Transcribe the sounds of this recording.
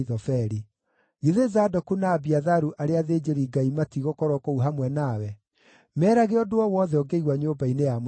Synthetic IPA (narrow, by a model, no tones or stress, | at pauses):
ðɔfɛɾi | ɣiðezaːdɔkunaːbiaðaɾuʔaɾeaðed͡ʑeɾiɡaimatiɣɔkɔɾɔkɔuɦamwɛnawɛ | mɛːɾaɣeɔdoɔwɔːðɛɔɡeiɣwaɲoːbainejam